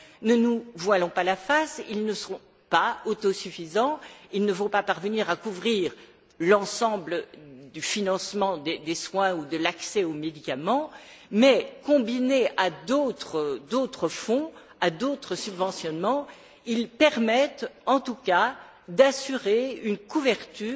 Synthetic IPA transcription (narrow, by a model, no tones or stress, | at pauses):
nənuvwalɔ̃palafasilnəsɔ̃ | paot̪ɔsyfizɑ̃ilnəvɔ̃papaʁvəniʁakuvʁiːʁ | lɑ̃sɑ̃bləd̪yfinɑ̃smɑ̃d̪ed̪eswɛ̃ud̪əlaksɛomed̪ikʲamɑ̃ | mɛkɔ̃binead̪ot̪χəd̪ot̪χəfɔ̃ | ad̪ot̪χəsybvɑ̃sjɔnmɑ̃ | ilpɛʁmɛt̪ɑ̃t̪uka | d̪asyʁeynkuvɛʁt̪yː